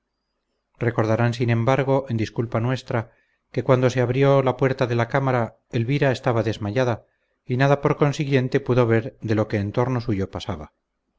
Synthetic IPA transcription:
re̞ko̞ɾðaɾansinẽ̞mbaɾɣ̞o̞ʔe̞nd̪iskulpanwe̞st̪ɾa | ke̞kwand̪o̞se̞aβɾjo̞lapwe̞ɾt̪aðe̞lakamaɾa | elβiɾae̞st̪aβaðe̞zmaʝaða | inaðapo̞ɾko̞nsiɣje̞nt̪e̞puðo̞βe̞ɾðe̞lo̞ke̞ːnt̪o̞ɾno̞suʝo̞pasaβa

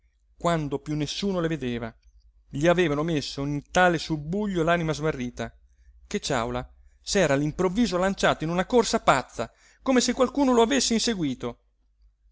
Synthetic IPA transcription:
kwand̪opjunːesːuːnoleved̪eːva | ʎiaveːvanomesːoint̪aːlesubːuʎːolaːnimazmarːiːt̪a | k̟et͡ʃːa̰wla | sɛːɾaːlimpɾovːiːzolant͡ʃaːt̪oinunakorsapat̪sːa̰ | komesekːwalkuːnoloavesːeinseɡwiːt̪o

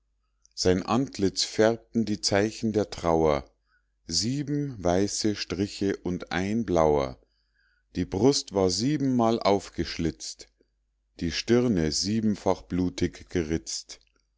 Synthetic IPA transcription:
z̥aɪnʔantʰlɪt͡sfɛʁp̚tn̩diːt͡saɪçn̩deːɐtʁ̥aʊɐ | ziːbm̩vaɪsəʃtʁ̥ɪçəʔʊntʔa̰ɪnblaʊɐ̰ | d̥iːbʁʊstv̥aːɐziːbm̩ːaːlʔa̰ʊfɡ̥əʃlɪt͡st | d̥iːʃtɪʁnəziːbm̩faχb̥luːtʰɪçɡ̥əʁɪt͡st

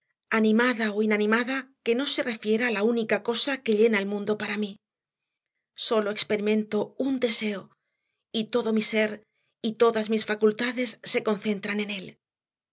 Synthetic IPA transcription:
anĩmaðaoinanĩmaðake̞no̞se̞re̞fje̞ɾaːlaunikako̞sake̞ʎe̞naelmũnd̪o̞paɾami | so̞lo̞ekspe̞ɾimẽ̞nt̪o̞und̪e̞se̞o | it̪o̞ðo̞mise̞ɾ | it̪o̞ðazmisfakult̪aðe̞sːe̞ko̞nθe̞nt̪ɾane̞ne̞l

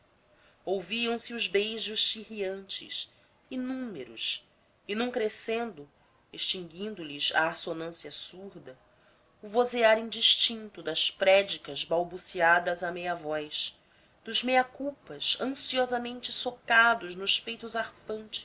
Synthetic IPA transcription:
owviɐ̃w̃siʊzbejʒʊʃʃihiɐ̃nt͡ʃɪ̰s | inũmeɾṵs | ɪnɐ̃w̃kɾesẽnd̪ʊ | eʃt͡ʃĩŋɡĩnd̪ʊliza̰ːsonɐ̃siɐsuɾd̪ɐ | ʊvozeaɾĩd͡ʒiʃt͡ʃĩnt̪ʊd̪ɐʃpɾɛd͡ʒikɐzbawbusiad̪ɐzɐmejɐvɔjs | d̪̥ʊzmejɐkuwpɐʃɐ̃siɔzɐmẽnt͡ʃɪsokad̪ʊʒnʊʃpejt̪ʊzaɾfɐ̃nt͡ʃɪ̥

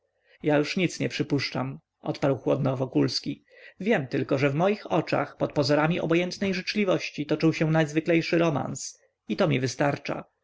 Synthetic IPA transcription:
jajuʂɲit̪sɲɛpʂɘpuʂt͡ʂam | ʔɔ̰t̪paɾwxwɔd̪nɔvɔkulskʲi | vʲjɛmt̪ɘlkɔʐɛvmɔjixɔt͡ʂa̰xpɔt̪̚pɔzɔɾamʲiʔɔ̰bɔjɛnt̪nɛjʐɘt͡ʂlʲivɔɕt͡ɕit̪ɔt͡ʂɨwɕɛ̃najzvɘklɛjʂɘɾɔma̰ns | it̪ɔmʲivɘst̪aɾt͡ʂa̰

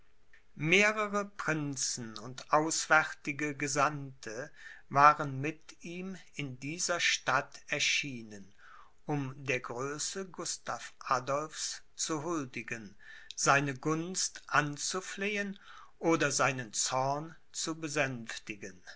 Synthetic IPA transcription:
meːʁəʁəpʁ̥ɪnt͡sn̩ʊntʔaʊsv̥ɛʁtɪɡəɡəzantʰəvaːʁənmɪtiːm | ɪndiːzɐʃtatɛɐʃiːnən | ʔʊmdeːɐɡʁøːsəɡʊstaːfʔadɔlfs | t͡suɦʊldɪɡən | zaɪnəɡʊnstʔant͡sufleːən | ʔoːdɐzaɪnənt͡sɔɐn | t͡subəzɛnftɪɡən

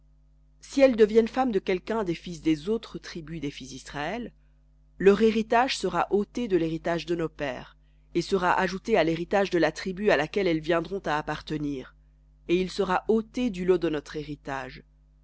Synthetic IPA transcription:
siɛld̪əvjɛnfamd̪əkʲɛlkʲɛ̃d̪efis̬d̪ezot̪χət̪χibyd̪efisd̪isχaɛlː | œʁeʁit̪aʒsəʁaʔot̪ed̪əleʁit̪aʒd̪ənopɛ̰ːʁ | esəʁaʔaʒut̪ealeʁit̪aʒd̪əlat̪χibyalakʲɛlɛlvjɛ̃d̪ʁɔ̃t̪aːpaʁt̪əniːʁ | eilsəʁaʔot̪ed̪ylod̪ənɔt̪χeʁit̪aːʒ

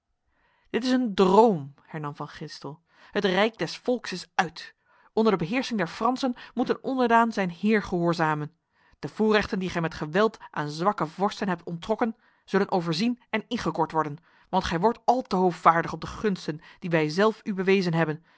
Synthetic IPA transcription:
d̥ɪtɪsəndrowmhɛɹnɑmvɑnχɪnstəlˠ | hətrɛjk̚dɛsfɔlˠksɪsœɥt | ʔɔndəɹdəbəɦɪːɹsɪŋdɛɹfrɑnsənmutənɔndəɹdaːnzɛjnɦɪːɹχəɦʊːɹzaːmən | d̥əv̥ʊːrɛχtəndiχɛjmɛtχəʋɛlˠtʔaːnzʋɑkəvɔɹstənɦɛp̚tɔntrɔkən | z̥ɵlənʔowvəɹzinɛnɪnχəkɔɹtʋɔɹdən | ʋɑntχɛjʋɔɹtɑlˠtəɦowfvaːɹdəχɔp̚dəχɵnstənd̥iʋɛjzɛlˠfybəʋejzənɦɛbən

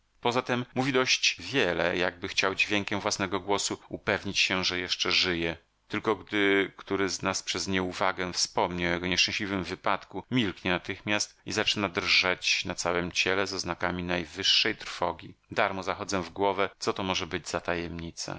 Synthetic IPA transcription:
pɔzat̪ɛmːuvʲid̪ɔɕt͡ɕvʲjɛlɛ̰ja̰ɡ̚bɘxt͡ɕawd͡ʑvʲjɛŋkʲɛmvwasnɛɡɔɡwɔsuupɛvɲit͡ɕɕɛʐɛjɛʂt͡ʂɛʐɘjɛ | t̪ɘlkɔɡd̪ɘkt̪uɾɘznaspʂɛzɲɛuvaɡɛfspɔmɲawɔjɛɡɔɲɛʂt͡ʂɛ̃ɕlʲivɘmvɘpat̪kumʲilkɲɛnat̪ɘxmʲjast̪izat͡ʂɘnad̪rʐat͡ɕnat̪sawɛmt͡ɕɛlɛzɔznakamʲinajvɘʂːɛjt̪ɾfɔɡʲid̪aɾmɔzaxɔd̪zɛvɡwɔvɛt̪sɔt̪ɔmɔʐɛbɘd͡ʑzat̪ajɛmɲit̪sa̰

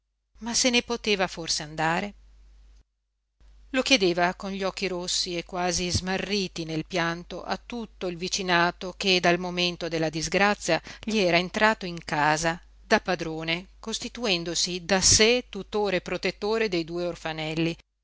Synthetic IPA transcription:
masenepot̪eːvaforseand̪aːɾe | lok̟jed̪eːvakonʎɔk̟ːiɾosːiekːwaːzizmarːiːt̪inelpjant̪oʔa̰t̪ːut̪ːoilvit͡ʃinaːt̪oked̪almoment̪od̪elːad̪izɡɾat̪sːjaʎiɛːɾaent̪ɾaːt̪oiŋkaːza | d̪apːad̪ɾoːnekost̪it̪uɛnd̪osid̪aset̪ut̪oːɾepɾot̪et̪ːoːɾed̪ejd̪uːeorfanɛlːi

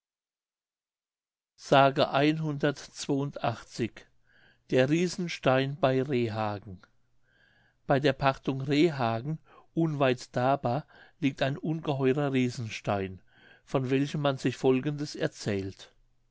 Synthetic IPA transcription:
z̥aːɡəʔaɪnɦʊndɐtt͡sv̥oːʊntʔaχt͡sɪç | d̥eːɐʁiːzn̩ʃtaɪnbaɪʁeːɦaːɡŋ̩ | b̥aɪdeːɐpʰaχtʊŋʁeːɦaːɡŋ̩ | ʔʊnvaɪtd̥aːbaːliːk̚taɪnʔʊnɡəɦɔʏʁɐʁiːzn̩ʃtaɪn | fɔnvɛlçəmanzɪçfɔlɡn̩dəsɛɐt͡sɛːlt

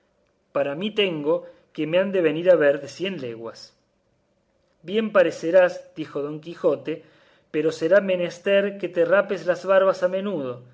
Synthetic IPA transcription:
paɾamit̪e̞ŋɡo̞ | kemeand̪e̞β̞e̞niɾaβeɾðe̞sje̞nleɣwas | bje̞mpaɾeseɾasd̪ixo̞ðo̞ŋkixo̞t̪e̞ | peɾo̞seɾamene̞st̪eɾket̪erapeslazβaɾβasamẽ̞nuðo̞

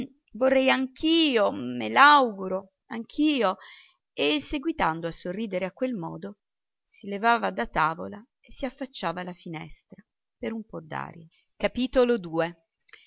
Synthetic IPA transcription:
vorːɛjaŋkʰiːomelawɡuɾo | aŋkʰiːo | esːeɡwit̪and̪oasːorːiːd̪eɾeakːwelmɔ̰ːd̪o | silevaːvad̪at̪aːvo̰la | esːiafːat͡ʃːaːvalafinɛ̰st̪ɾa | peɾumpɔd̪ːa̰ːɾjḛ | kapiːt̪olod̪uːe

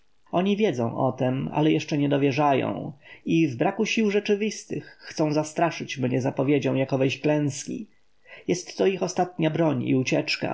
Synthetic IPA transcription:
ɔɲivʲjɛd̪zɔ̰̃w̃ʔɔ̰t̪ɛma̰lɛjɛʂt͡ʂɛɲɛd̪ɔvʲjɛʐajɔ̰̃w̃ivbɾakuɕiwʐɛt͡ʂɘvʲist̪ɘxːt̪sɔ̃w̃zast̪ɾaʂɘt͡ɕmɲɛzapɔvʲjed͡ʑɔ̃w̃jakɔvɛjɕklɛ̃skʲḭ | jɛst̪ːɔixɔst̪at̪ɲabɾɔɲḭut͡ɕɛt͡ʂka̰

